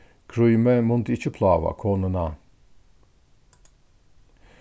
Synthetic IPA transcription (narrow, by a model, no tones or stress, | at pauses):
kɾujmɛmunt̪it͡ʃʰipʰlaːva̰kʰonɯna